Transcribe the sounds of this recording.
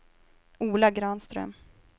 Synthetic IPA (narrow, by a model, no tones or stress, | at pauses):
uːlaɡɾɑːnst̪ɾœ̰m